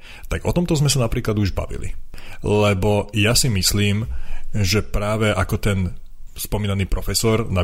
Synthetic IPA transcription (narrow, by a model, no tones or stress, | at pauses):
t̪aɡɔ̰t̪ɔmt̪ɔzmɛsanapɾiːklad̪uʒba̰ʋḭlḭlɛbɔjasimisliːmʒɛpɾaːʋɛʔakɔt̪ɛn | spɔmiːnaniːpɾɔfɛsɔɾna